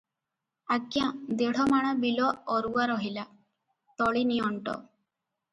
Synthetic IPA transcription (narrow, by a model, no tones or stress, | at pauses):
aɡjad̪eɽ̤ɔmaɽ̃ɔbilɔːɾuwaɾɔɦila | t̪ɔɭiniɔɳʈɔ̰